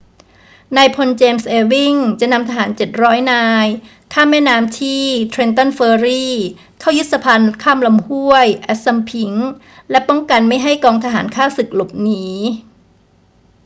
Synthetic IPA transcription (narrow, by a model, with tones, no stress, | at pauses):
na˧jpʰo˧nt͡ɕeː˧msʔeː˧wi˥˩ŋt͡ɕa˨˩na˧mt̪ʰa˧ɦaː˩˦nt͡ɕe˨˩t̪̚ɾɔː˦˥jnaː˧j | kʰaː˥˩mːɛː˥˩naː˧˥mt̪ʰiː˥˩t̪ʰɾe˧nt̪ɔ˥˩nfɤː˧ɾiː˥˩ | kʰaː˥˩wju˦˥t̪̚sa˧pʰa˧nkʰaː˥˩mla˧mhu˥˩əjʔɛ˦˥t̪̚sa˧mpʰi˨˦ŋ | lɛ˦˥pɔ˥˩ŋka˧nma˥˩jɦa˥˩jkɔː˧ŋt̪ʰa˧ɦaː˩˦nkʰaː˥˩sɯ˨˩k̚lo˨˩p̚niː˦